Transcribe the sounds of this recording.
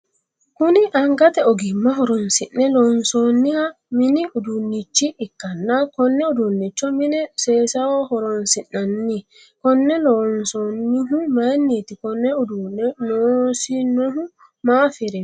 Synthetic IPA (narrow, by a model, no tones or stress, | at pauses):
huniʔaŋɡatɛɔɡimːaɦɔɾɔnsinːɛlɔnsonːiha | miniʔudunːit͡ʃːiʔikːanːakɔnːɛudunːit͡ʃːɔminɛsɛsawɔhɔɾɔnsinanːi | kɔnːɛlɔnsɔnːiɦumanːetikɔnːɛudunːɛnɔsinoɦu | mafiɾɛ